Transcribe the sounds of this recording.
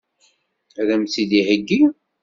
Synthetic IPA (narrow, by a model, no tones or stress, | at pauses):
ɾæmθiðihəɡːi